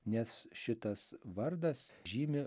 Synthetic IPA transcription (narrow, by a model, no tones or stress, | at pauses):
nʲɛsʃʲɪt̪ɐsʋɐɾd̪ɐsʒʲiːmʲɪ